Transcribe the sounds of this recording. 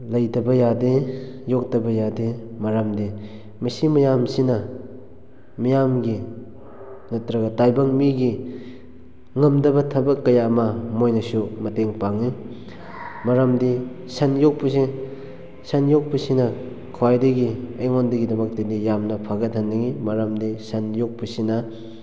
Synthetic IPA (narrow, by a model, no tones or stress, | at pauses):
lɐjdɐbɐjadejok̚tɐbɐjademɐɾamdi | mɐsimɐjamsinɐ | mɐjamɡi | nɐtɾɐɡɐtajbɐŋmiɡi | ŋɐmdɐbɐtʰɐbɐkːɐjamɐmojnɐsumɐteŋpaŋi | mɐɾamdi | sɐnjok̚pusi | sɐnjok̚pusinɐ | kʰwajdɐɡiɐjŋondɐɡidɐmɐk̚tedijamnɐpʰaɡɐt̚hɐnːɐŋimɐɾamdisɐnjok̚pusinɐ